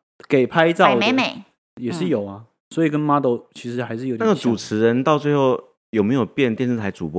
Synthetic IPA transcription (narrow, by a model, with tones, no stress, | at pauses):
ke˨˩ɪpʰa˥ɪt͡sɑ˥˨ʊme˧˦me˧˦ɪ | jɛ˨˩ʂɻ̩˥˩jo˨˩ʊa˦ | swɔ˧˥i˨˩kə˦nma˥t̪o˥ʊt͡ɕʰi˧˥ʂɻ̩˧˥xa˧˥ɪʂ̬ɻ̩˥˩jna˥˩ɡə˨˩t͡su˨˩t͡sʰɻ̩˧˥ɻə˧˦nt̪ɑ˥˧ʊt͡swe˥˧ɪxo˥˩ʊ | jo˨˩me˧˥ɪjo˨˩pjɛ˥˨nt̪jɛ˥˧nsɹ̩˥˩tʰa˧˥ɪt͡su˨˩p